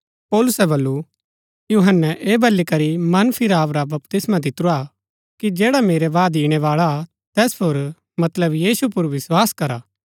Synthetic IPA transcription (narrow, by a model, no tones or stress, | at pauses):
pɔːlʊsɛbɐlːu | juːɦənːɛʔeːbʱɐlːikɐɾimɐnpʰɪɾaːʋɾabɐpt̪ɪsmãd̪ɪt̪ɾua | kid͡ʒɛːɽameːɾɛʋaːd̪iːɽ̃ɛʋaːɭa | t̪ɛːspʰoɾ | mɐt̪ləbjiːsupʊɾʋɪswaːskɐɾaː